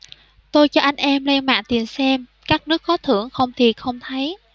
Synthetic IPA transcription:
t̪o˧jt͡ɕɔ˧ʔa˧jŋ̟ʔɛ˧mlɛ˧nma̰ː˧˨nt̪i˨˩əmsɛ˧mkaː˦˥k̚nɨ˦˥k̚ːɔ˨˦t̪ʰɨ̰˧˩əŋxə˧wŋ͡mt̪ʰi˨˩t̚xə˧wŋ͡mt̪ʰə˨˦j

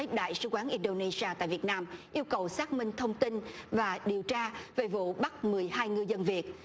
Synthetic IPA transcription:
ə˨˦ɗa̰ː˧˨jsɨ˧kwaː˨˦nʔi˧nɗo˧ne˧zi˧aː˧t̪a̰ː˧˨jvi˨˩ət̚naː˧mʔi˧əwkə˨˩wsaː˦˥k̚mï˧ŋ̟t̪ʰə˧wŋ͡mt̪i˧nvaː˨˩ɗi˨˩əwt͡ɕaː˧ve˨˩vṵ˧˨ɓa˦˥t̚mɨ˨˩əjhaː˧jŋɨ˧jzə˧nvi˨˩ət̚

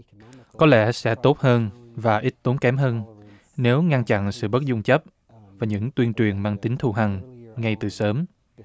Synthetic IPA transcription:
kɔ˨˦lɛ̰˧˥sɛ̰˧˥t̪o˦˥t̚həː˧n | vaː˨˩ʔi˦˥t̚t̪o˨˦nkɛ˨˦mɦəː˧n | ne˨˦wŋa˧nt͡ɕa̰˧˨nsɨ̰˧˨ɓə˦˥t̚zʊ˧ŋ͡mt͡ɕə˦˥p̚ | vaː˨˩ɲɨ̰˧˥ŋt̪wi˧ənt͡ɕwi˨˩ənmaː˧ŋt̪ï˨˦ŋt̪ʰu˧˩ɦa˨˩ŋŋa˧jt̪ɨ˨˩səː˨˦m

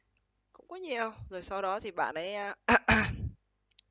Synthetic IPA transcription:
kʊ̰˧˥ŋ͡mkɔ˨˦ɲi˨˩əwzo˨˩jsa˧wɗɔ˨˦t̪ʰi˨˩ɓa̰ː˧˨nʔə˨˦jː

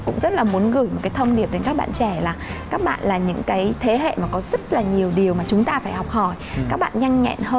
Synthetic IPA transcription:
kʊ̰˧˥ŋ͡mzə˦˥t̚laː˨˩mu˨˦ənɣɨ˧˩jmo˨˩t̚kaː˨˦t̪ʰə˧wŋ͡mɗi˨˩əp̚ɗe˨˦nkaː˦˥k̚ɓa̰ː˧˨nt͡ɕɛ˧˩laː˨˩kaː˦˥k̚ɓa̰ː˧˨nlaː˨˩ɲɨ̰˧˥ŋkaː˨˦jt̪ʰe˨˦ɦḛ˧˨maː˨˩kɔ˨˦zə˦˥t̚laː˨˩ɲi˨˩əwɗi˨˩əwmaː˨˩t͡ɕʊ˨˦ŋ͡mt̪aː˧faː˧˩jhɔ˨˩wk͡p̚hɔ˧˩jkaː˦˥k̚ɓa̰ː˧˨nɲa˧jŋ̟ɲɛ̰˧˨nhəː˧

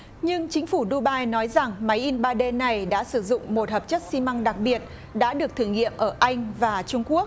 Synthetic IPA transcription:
ɲɨ˧ŋt͡ɕï˨˦ŋ̟fu˧˩ɗu˧ɓaː˧jnɔ˨˦jza˨˩ŋma˨˦jʔi˧nɓaː˧ɗe˧na˨˩jɗa̰ː˧˥sɨ˧˩zʊ̰˧˨ŋ͡mmo˨˩t̚həː˨˩p̚t͡ɕə˦˥t̚si˧ma˧ŋɗa˨˩k̚ɓi˨˩ət̚ | ɗa̰ː˧˥ɗɨ˨˩ək̚t̪ʰɨ˧˩ŋḭ˧˨əmʔəː˧˩ʔa˧jŋ̟vaː˨˩t͡ɕʊ˧ŋ͡mku˦˥ək̚

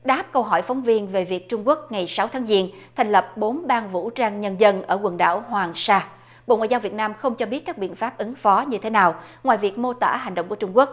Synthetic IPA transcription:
ɗaː˦˥p̚kə˧wɦɔ̰˧˩jfɔ˨˦wŋ͡mvi˧ənve˨˩vi˨˩ək̚t͡ɕʊ˧ŋ͡mku˦˥ək̚ŋa˨˩jsa˨˦wt̪ʰaː˨˦ŋzi˧ənt̪ʰa˨˩ŋ̟lə˨˩p̚ɓo˨˦nɓaː˧nvṵ˧˥t͡ɕaː˧ŋɲə˧nzə˧nʔəː˧˩ɣwə˨˩nɗa̰ː˧˩wɦwaː˨˩ŋsaː˧ | ɓo̰˧˨ŋa̰ː˧˨za˧wvi˨˩ət̚naː˧mxə˧wŋ͡mt͡ɕɔ˧ɓi˦˥ət̚kaː˦˥k̚ɓḭ˧˨ənfaː˦˥p̚ʔɨ˨˦ŋfɔ˨˦ɲɨ˧t̪ʰe˨˦naː˨˩wŋwaː˨jvi˨˩ək̚mo˧t̪a̰ː˧˥ɦa˨˩ŋ̟ɗə˧˨ŋ͡mku˧˩t͡ɕʊ˧ŋ͡mku˦˥ək̚

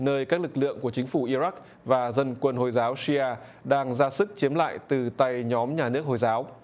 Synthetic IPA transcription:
nəː˧jkaː˦˥k̚lɨ˨˩k̚lɨ̰˧˨əŋku˧˩ət͡ɕï˨˦ŋ̟fu˧˩ʔi˧za˦˥k̚ | vaː˨˩zə˧nkwə˧nho˧˩jzaː˨˦wsi˧ʔaː˧ | ɗaː˧ŋzaː˧sɨ˦˥k̚t͡ɕi˨˦əmla̰ː˧˨jt̪ɨ˨˩t̪a˧jɲɔ˨˦mɲaː˨˩nɨ˦˥ək̚ho˨˩jzaː˨˦w

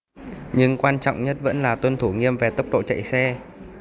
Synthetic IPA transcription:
ɲɨ˧ŋkwaː˧nt͡ɕɔ̰˧˨wŋ͡mɲə˦˥t̚və̰˧˥nlaː˨˩t̪wə˧nt̪ʰu˧˩ŋi˧əmve˨˩t̪ə˦˥k͡p̚ɗo̰˧˨t͡ɕə̰˧˨jsɛ˧

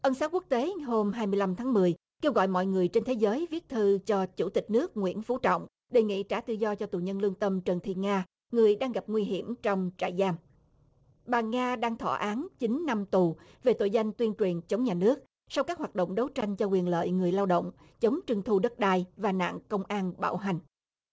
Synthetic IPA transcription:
ʔə˧nsaː˨˦wku˦˥k̚t̪e˨˦ɦo˧mɦaː˧jmɨ˧əjla˧mt̪ʰaː˨˦ŋmɨ˨˩əj | ke˧wɣɔ̰˧˨jmɔ̰˧˨jŋɨ˨˩əjt͡ɕe˧nt̪ʰe˨˦zəː˨˦jvi˦˥ət̚t̪ʰɨ˧t͡ɕɔ˧t͡ɕu˧˩t̪ï˨˩k̟̚nɨ˦˥ək̚ŋwḭ˧˥ənfu˨˦t͡ɕɔ̰˧˨wŋ͡m | ɗe˨˩ŋḭ˧˨t͡ɕa̰ː˧˩t̪ɨ̰˧˨zɔ˧t͡ɕɔ˧t̪u˨˩ɲə˧nlɨ˧əŋt̪ə˧mt͡ɕə˨˩nt̪ʰḭ˧˨ŋaː˧ | ŋɨ˨˩əjɗaː˧ŋɣa˨˩p̚ŋwi˧ɦi˧˩əmt͡ɕɔ˧wŋ͡mt͡ɕa̰ː˧˨jzaː˧m | ɓaː˨˩ŋaː˧ɗaː˧ŋt̪ʰɔ̰˧˩ʔaː˨˦nt͡ɕi˨˦ŋna˧mt̪u˨˩ | ve˨˩t̪o̰˧˨jza˧jŋ̟t̪wi˧ənt͡ɕwi˨˩ənt͡ɕə˨˦wŋ͡mɲaː˨˩nɨ˦˥ək̚ | sa˧wkaː˦˥k̚ɦaː˨˩t̚ɗo̰˧˨wŋ͡mɗə˨˦wt͡ɕa˧jŋ̟t͡ɕɔ˧kwi˨˩ənlə̰ː˧˨jŋɨ˨˩əjlaː˧wɗo̰˧˨wŋ͡m | t͡ɕə˨˦wŋ͡mt͡ɕɨ˧əŋt̪ʰu˧ɗə˦˥t̚ɗaː˧jvaː˨˩na̰ː˧˨ŋkə˧wŋ͡mʔaː˧nɓa̰ː˧˩wɦa˨˩ŋ̟

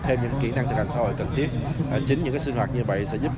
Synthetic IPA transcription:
t̪ʰe˧mɲɨ̰˧˥ŋkḭ˧˩na˧ŋt̪ʰɨ˨˩k̚a˨˩ŋsaː˧˦ɦo̰˧˨jkə˨˩nt̪ʰi˦˥ət̚t͡ɕi˨˦ŋ̟ɨ̰˧˥ŋkaː˨˦jsi˧nɦwaː˨˩t̚ɲɨ˧və̰˧˨jsɛ̰˧˥zu˦˥p̚

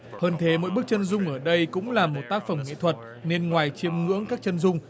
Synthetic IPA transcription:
həː˧nt̪ʰe˨˦mo̰˧˥jɓək̚t͡ɕə˧nzʊ˧ŋ͡mʔəː˧˩ɗə˧jkʊ̰˧˥ŋ͡mlaː˨˩mːo˨˩t̚t̪aː˦˥k̚fə˧˩mŋḭ˧˨t̪ʰwə˨˩t̚ | ne˧nŋwaː˨˩jt͡ɕi˧əmŋɨ̰˧˥əŋkaː˦˥k̚t͡ɕə˧nzʊ˧ŋ͡m

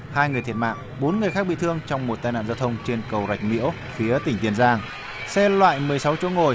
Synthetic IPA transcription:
haː˧jŋ˨ət̪ʰt̚ma̰ː˧˨ʔ | ɓo˨˦nŋɨ˨˩əjxaː˦˥k̚ɓḭ˧˨t̪ʰɨ˧əŋt͡ɕɔ˧wŋ͡mmo˨˩t̚t̪aː˧jna̰ː˧˨zaː˧wt̪ʰə˧wŋ͡mt͡ɕe˧nkə˨˩wza˨˩jk̟̚mḭ˧˥əw | fi˨˦ət̪ï˨˩ŋ̟t̪i˧˩ənzaː˧ŋ | sɛ˧lwa̰ː˧˨jmɨ˨˩əjsa˨˦wt͡ɕo̰˧˥ŋo˨˩j

